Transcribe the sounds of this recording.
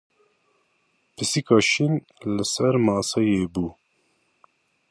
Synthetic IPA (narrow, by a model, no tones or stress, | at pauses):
pʰɨsikɑːʃin | lɪsɛɾmɑːsɑjeːbuː